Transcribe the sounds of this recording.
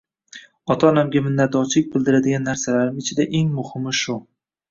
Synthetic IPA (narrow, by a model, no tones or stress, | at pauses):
ɒt̪ʰaːnamɡʲamɪnːat̪̚d̪ɒɾt͡ʃʰlɪk̚ʲbɪld̪ɪɾad̪ɪɡʲanːaɾsalaɾɪmɪt͡ʃʰɪd̪aʔe̞ŋmʊhɪmɪʃʊ